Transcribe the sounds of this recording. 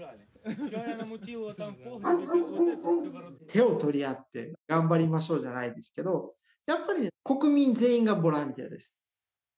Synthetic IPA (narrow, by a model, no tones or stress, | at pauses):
t̪ʰe̞o̞t̪o̞ɾʲiat̪ːe̞̰ɡãmbaɾʲimaɕo̞ːʑanaid̪e̞sɨ̥ke̞d̪o̞ | japːaɾʲiko̞kɯ̟mʲĩnd͡ze̞ːĩŋɡabo̞ɾãnt̪ʲia̰d̪e̞sɨ̥